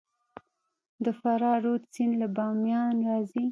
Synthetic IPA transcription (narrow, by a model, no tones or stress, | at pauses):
d̪əfaɾɑɾot͡sinlabɑmjɑnɾɑzi